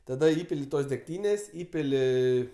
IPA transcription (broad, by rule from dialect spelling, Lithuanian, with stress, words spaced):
tɐˈdɐ ˈiːpʲɪlʲɪ ˈtoːs dʲɛkˈtʲiːnʲeːsʲ ˈiːpʲɪlʲɪ